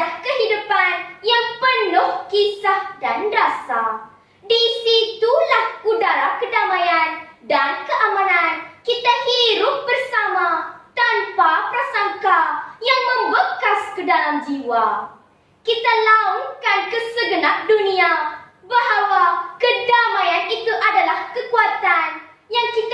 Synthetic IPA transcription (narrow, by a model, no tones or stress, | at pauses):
lahkəɦidupanjaŋpənʊhkisahdandasa | disit̪ulahkudaɾakədamãjandankəʔamãnankit̪ahiɾʊp̚bərsamat̪anpapɾasaŋkajaŋmə̃mbəkaskədalamd͡ʒiwa | kit̪alauŋkankəsəɡənaʔ̚dunĩabaɦawakədamãjanit̪uʔadalahkəkuat̪an | jaŋkit̪